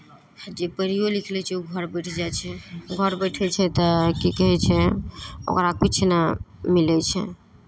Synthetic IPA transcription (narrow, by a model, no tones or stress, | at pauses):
d͡ʒepəɾijolikʰlɛt͡ʃʰɛuɡʱəɾbəɪʈʰd͡ʒat͡ʃʰɛɡʱəɾbəʈʰɛt͡ʃʰɛt̪ɔkikəɦɛt͡ʃʰɛo̰kɾakit͡ʃʰnamilɛt͡ʃʰɛ̰